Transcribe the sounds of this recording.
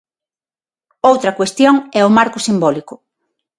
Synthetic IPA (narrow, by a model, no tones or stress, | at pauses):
owt̪ɾɐkwest̪joŋɛʊmaɾkʊsimbɔlikʊ